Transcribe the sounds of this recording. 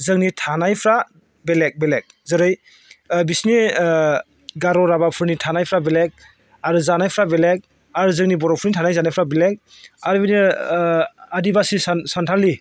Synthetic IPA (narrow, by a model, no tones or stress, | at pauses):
zɯŋnitʰanajpʰɾa | belek̚belek̚zɯɾɯj | bisni | ɡaɾɔɾabapʰɯɾnitʰanajpʰɾabelek̚ | aɾuzanajpʰɾabelek̚ | aɾuzɯŋnibɔɾɔpʰɾnitʰanajzanajpʰɾabelek̚ | aɾbini | adibasisansantʰali